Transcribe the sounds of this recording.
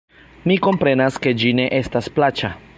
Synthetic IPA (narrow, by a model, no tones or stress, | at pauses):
miko̞mpɾe̞naske̞d͡ʒine̞ʔe̞stasplat͡ʃa